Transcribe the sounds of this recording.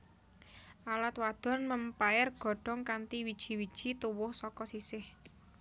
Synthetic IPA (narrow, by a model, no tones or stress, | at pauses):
ʔalat̪̚wad̪̥ɔ̤nməmpaɪrɡ̥ɔ̤ɖ̥ɔ̤ŋkant̪iwid̥ʒ̥i̤wid̥ʒ̥i̤t̪uwʊhsɔkɔsisɪh